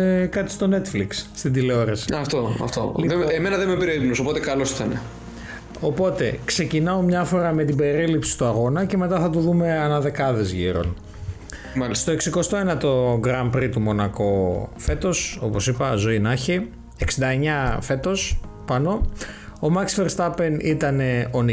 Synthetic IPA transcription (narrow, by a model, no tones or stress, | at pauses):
ekɐt̪i̥st̪o̞ne̞t̪fliksːt̪id̪ile̞o̞ɾesi̥ɐft̪oɐ̰ft̪o̰liðeemenɐðemepeɾiolipnoso̞pot̪ekɐlo̞si̥t̪ɐne | o̞po̞t̪e̞kse̞cinɐo̞mɲɐfo̞ɾɐme̞t̪ibe̞ɾilipsi̥st̪uɐɣo̞nɐce̞me̞t̪ɐθɐt̪̬uðume̞ɐnɐðe̞kɐðe̞zʝiɾo̞̰n | mɐlist̪o̞e̞ksiko̞st̪o̞enɐt̪o̞ɡɾɐmpɾit̪umo̞nɐko̞fe̞t̪o̞so̞po̞sipɐzo̞inɐçi | e̞ksind̪ɐe̞ɲɐfe̞t̪o̞spɐno̞omɐksfe̞ɾst̪ɐpe̞nit̪ɐne̞o̞ni